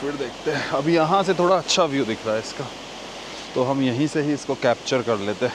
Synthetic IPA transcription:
fɪɾd̪eːkʰt̪eɦɛ̃ɐbʱijɐɦãset̪ʰoːɽaɐtːʃʰaʋjud̪ɪkʰɾaːɛɪska | t̪oɦɐmjɐɦĩseɦiɪskokɛːp̚t͡ʃəɾkɐɾleːt̪eɦɛ̃

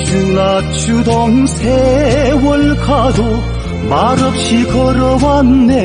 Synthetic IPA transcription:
t͡ɕulat͡ɕʰud̪ɔŋsʰewʌɭkʰad̪o | maɾʌp̚ɕikʰʌɾʌwan̩ːe

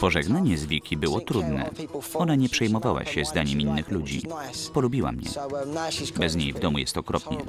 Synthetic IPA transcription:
pɔʐɛɡnaɲɛzvʲjɛkʲʰibɘwɔt̪ɾud̪nɛ̰ɔnaɲɛpʂɛjmɔvawa̰ɕɛzd̪aɲɛminːɘxlud͡ʑḭpɔlubʲiwa̰mɲɛ̰ | bɛzɲejvd̪ɔmujɛ̰st̪ɔkɾɔpɲɛ̰

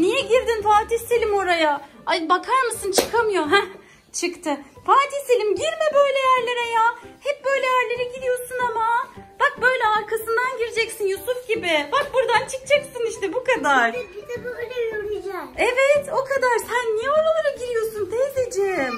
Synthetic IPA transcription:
nijɛɟiɾd̪infaːt̪ʰiselʲimo̞ɾajaabakʰaɾmɯsɯnt͡ʃʰɯkʰamɯjo̞ɦæ | t͡ʃʰɯkt̪ʰɯfaːt̪ʰiselʲimɟiɾmɛbø̞jlʲɛjæɾlʲe̞ɾɛjaːhɛp̚bø̞jlʲɛjæɾlʲe̞ɾɛɟidɾijo̞sunamab̥akbø̞jlʲɛaɾkʰasɯnd̪anɟiɾid͡ʒɛcsinjusufɟibɪbak̚buɾd̪ant͡ʃʰɯk̚t͡ʃʰɛksɯniʃt̪ɛbukad̪aɾ̥it̪ɛbølʲejøɾid͡ʒɛɛvɛt̪o̞kʰad̪aɾsænːijɛolˠalˠaɾaɟiɾijo̞sunt̪ʰɛzed͡ʒem

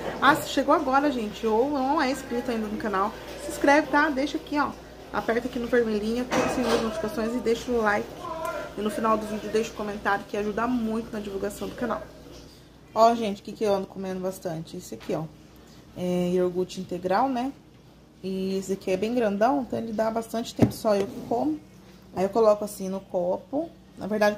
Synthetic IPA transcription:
asʃeɡowaɡɔɾɐʒẽnt͡ʃɪownɐ̃ɐ̃w̃ɛɪskɾit̪ʊaĩnd̪ɐnʊkanaw | sɪskɾɛvɪt̪ad̪ejʃakiɔ | a̰pɛɾt̪ɐkinʊveɾmelĩɲɐt̪ẽd̪ɐsẽj̃ɐzmot̪ɐ̥skost̪õj̃zɪd̪ejʃʊʊlajkɪ̥ɪnʊfinawd̪ʊvid͡ʒɪʊd̪ejʃʊ̥kõmẽnt̪aɾjʊkɪaʒud̪amũj̃t̪ʊnɐd͡ʒivuwɡasɐ̃w̃d̪ʊkana̰w | ɔʒẽnt͡ʃɪʊ̥kɪkɪewɐ̃nd̪ʊkomẽnd̪ʊbast̪ɐ̃t͡ʃɪisɪakʰiɔ | ɛioɾɡut͡ʃĩnt̪eɡɾawnɛ | ɪisʊakiɛbẽj̃ɡɾɐ̃nd̪ɐ̃w̃ẽnt̪ɐ̃w̃elɪd̪abast̪ɐ̃nt͡ʃɪ̥t̪ẽmpʊ̥sɔewkʰõmʊ | ajiewkolɔkʊasĩnʊkɔɾpʊ | nʔɐ̰veɾd̪ad͡ʒɪ

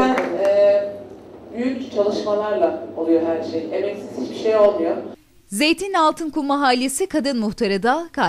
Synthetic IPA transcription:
ænɛː | byjycʲt͡ʃʰalˠɯʃmalˠaɾlˠaolˠujoɦæɾʃejemɛcsiit͡ʃbiʃejo̞lˠmujo | ze̞jt̪ʰinalˠt̪ʰɯnkumaɦaːlʲesikʰad̪ɯnmuxt̪ʰaɾad̪akʰa

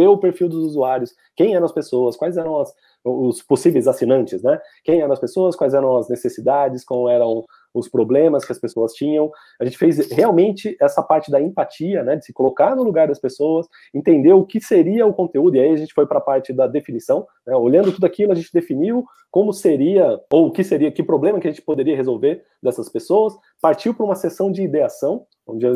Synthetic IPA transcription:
ewʊpeɾfiwd̪ʊzuzuaɾjʊs | kẽj̃ɛɾɐ̃ɐspesoɐskwajzɛɾɐ̃w̃ɐs | ʊsposivejzasinɐ̃nt͡ʃɪsnɛkẽj̃ɛɾɐ̃ɐspesoɐskwajzɛɾɐ̃w̃ɐznesesid̪ad͡ʒɪskwãwɛɾɐ̃w̃ | ʊspɾoblẽmɐskɪɐspesoɐst͡ʃĩɲɐ̃w̃ | aɐʒẽnt͡ʃɪfejzheawmẽnt͡ʃɪɛsɐpaɾt͡ʃɪd̪ɐẽmpat͡ʃiɐnɛd͡ʒɪsɪ̥kolokaɾnʊluɡaɾd̪ɐspesowɐs | ẽnt̪ẽnd̪ewʊkɪseɾiɐʊkõnt̪eud̪ʊiaiɐʒẽnt͡ʃɪ̥fojpɾɐpaɾt͡ʃɪd̪ɐd̪efinisɐ̃w̃ | nɛoʎɐ̃nd̪ʊt̪ud̪akilʊɐʒẽnt͡ʃɪd̪efiniw | kõmʊseɾiɐoʊkɪseɾiɐkɪpɾoblẽmɐkɪɐʒẽnt͡ʃɪ̥pod̪eɾiɐɦezolveɾ | d̪ɛsɐspesoɐs | paɾt͡ʃiwpʊɾũmɐsesɐ̃w̃d͡ʒɪːd̪easɐ̃w̃ | õd͡ʒɪ

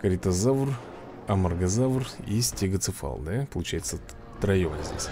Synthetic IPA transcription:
kəɾʲɪt̪ɐzavr | ɐmɐrɡɐzavrisʲtʲeɡət̪sɨfa̰lˠd̪apəlˠʊt͡ɕæjɪt̪sə | t̪ɾɐjovənʲzʲdʲḛsʲ

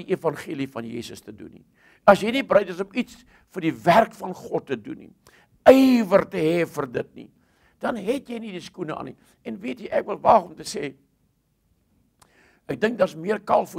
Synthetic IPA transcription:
iʔifɐnχiəlifɐnjḭːsəstədṵnḭ | ɐsjəjnibrəjtəs̬ɔmits | fərdiværkfɐnχɔtːədṵnḭ | əjvərtəɦɛfərdət̚nḭ | d̥ɐnɦɛtjəjnidiskunəʔɑ̰ːnḭ | ɛnviətiʔækvəlˠvɑχɔmtəseː | æk̚dəŋk̚dɑrsmiərkɐlˠfu

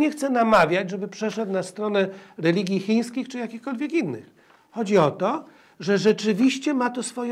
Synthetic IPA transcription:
ɲɛxt̪sɛnamavʲjad͡ʑʐɛbɘpʂɛʂɛt̪nast̪ɾɔnɛɾɛlʲiɡʲjixʲij̃skʲixt͡ʂɘjakʲixkɔlvʲjɛkinːɘ̰x | xɔd͡ʑiɔt̪ɔ | ʐɛʐɛt͡ʂɘvʲiɕt͡ɕɛmat̪ɔsfɔjɛ

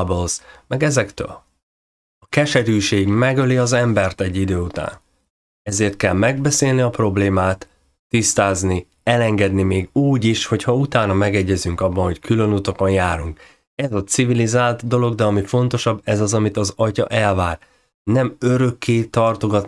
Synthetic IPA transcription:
bolsmɛɡɛzɛkt̪ø̰ːl | ɒkɛʃɛɾyːʃeːɡmɛɡøliɒzɛmbɛrt̪ɛɟːid̪øːut̪a̰ːn | ɛzeːrt̪̚kɛlmɛɡ̚bɛseːlniɒpro̞bleːmaːt̪ː | ist̪aːzni | ɛlɛŋɡɛd̪nimeːɡuːɟiʃho̞chɒut̪aːnɒmɛɡɛɟːɛzyŋkɒbːɒnɦo̞ckʰylø̞nut̪ɒko̞njaːɾuŋk | ɛzɒt̪sivilizaːlt̪d̪o̞lo̞ɡd̪ɛɒmifo̞nt̪o̞ʃɒbːɛzɒzɒmit̪ɒzɒcɒ̰ʔɛlvaːr | nɛmø̞ɾø̞kːeːt̪ɒrt̪o̞ɡɒt̪

